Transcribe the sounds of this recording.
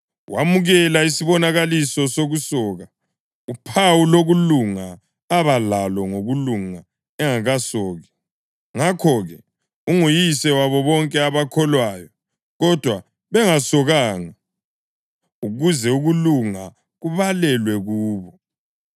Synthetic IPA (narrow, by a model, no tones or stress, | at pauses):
wamuɣɛlaisiβɔnaɣalisɔsoɣusɔːɣa | upʰawuloɣuluŋa | aβalalɔŋoɣuluŋa | ɛŋaɣasɔːɣɛ | ŋakʰɔɣɛ | uŋujisɛwaβɔβɔŋkʼɛaβakʰɔlwaːjɔ | ɣɔd̥ʱwa | βɛŋasɔɣaːŋa | uɣuzɛuɣuluŋa | ɣuβalɛlwɛɣuːβɔ